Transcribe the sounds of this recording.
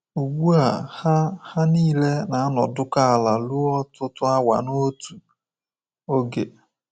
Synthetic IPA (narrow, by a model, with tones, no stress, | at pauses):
u˨ɡ͡bu˦a˨ha˦ha˦niː˦le˦na˨a˦nɔ̰˨dʊ˦ka˦a˨la˨lu˦ɔ˦tʊ˦tʊ˦a˦wa̰˨no˦tu˨ | o˦ɡḛ˨